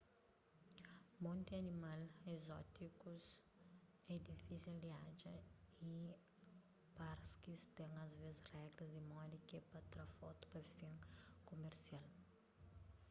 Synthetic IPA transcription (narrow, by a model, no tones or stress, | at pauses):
mõnt̪iɐnimalezɔt̪ikus | ɛd̪ifisild̪ead͡ʒɐi | paɾskist̪ɛ̃ŋɐzvezrɛɡɾɐzd̪imɔdikepɐt̪ɾafɔt̪u̥pɐfĩŋkomeɾsial